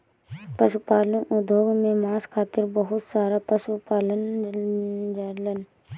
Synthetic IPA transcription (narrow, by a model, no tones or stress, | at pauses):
pəsupaːlũʔʊd̪ʱoːɡmẽmaːskʰaːt̪ɪɾbəɦʊt̪saːɾapəsupaːlən | d͡ʒəɾlən